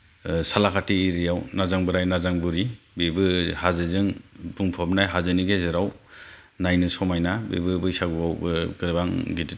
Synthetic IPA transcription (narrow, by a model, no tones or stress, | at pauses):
salakʰatiːɾijawnazaŋbɯɾajnazaŋbɯɾi | bebɯhazɯzɯŋbuŋpʰɔp̚najɦazɯniɡezeɾaw | najnɯsɔmajnabḛbɯbɯjsaɡɯbawbɯɡɯɾbaŋɡiti